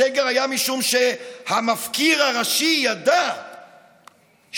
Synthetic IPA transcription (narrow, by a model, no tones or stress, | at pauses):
eɡeʁajamiʃumʃehamafkiʁaʁaʃijad̪a | ʃ